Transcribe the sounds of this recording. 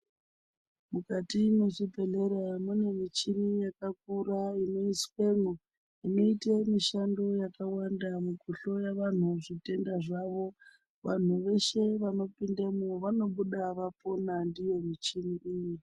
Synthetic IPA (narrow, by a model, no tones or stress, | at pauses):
mukatimeʐipe̞ɮeɾamune̞mit͡ʃimijakak̚uɾaino̞iswenu | inoitemiʃando̞jakawandamuɡʱuɬo̞jaʋan̤uʐite̞ndaʐaʋo̞ | ʋan̤uʋe̞ʃe̞ʋano̞pindemuʋano̞ɓuɗaʋapo̞nandije̞mit͡ʃimiʔiji